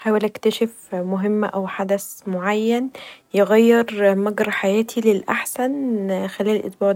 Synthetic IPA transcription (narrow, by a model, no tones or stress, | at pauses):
ħaːwælʔækt̪æʃef | mʊɦɪmːʔæwħad̪æsmoʕajːænjeɣæjːeɾmæɡɾˤɑħajæːt̪ʰilelʔaħsænxælæːllʔḛt̪ˤbɑːʕ